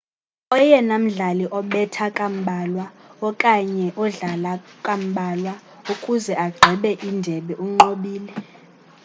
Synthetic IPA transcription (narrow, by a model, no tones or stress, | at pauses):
ɔjɛnam̩ɮaliʔɔɓɛtʰakʼam̩ɓʱaːlwa | ɔkʼaɲɛʔɔɮalakʼam̩ɓʱalwa | ukʼuzɛaɡ͡ǃʱɛɓɛʔindʱɛɓɛʔuŋ͡ǃoɓiːlɛ